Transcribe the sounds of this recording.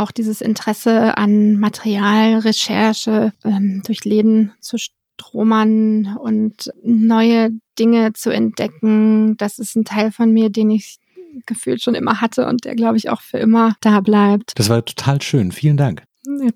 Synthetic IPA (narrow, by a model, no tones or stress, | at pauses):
ʔaʊxd̥iːzəsɪ̰ntəʁ̥ɛsəa̰nmatʰeʁiaːlʁeʃɛɐʃəʔɛːmd̥ʊɐçleːbm̩t͡suʃt | ʁ̥oːmɐnʊntnɔʏəd̥ɪŋət͡suɛ̰nt̚d̥ɛkŋ̩d̥asɪstn̩tʰaɪlfɔnmiːɐdeːnɪç | ɡ̥əfyːltʃoːnʔɪ̰mɐɦatʰəʔʊ̰nt̚d̥ḛːɐɡlaʊbəɪça̰ʊxfyːɐʔɪmɐd̥aːblaɪp̚td̥asv̥aːɐtʰo̥tʰaːlʃøːnfiːləndaŋk | ja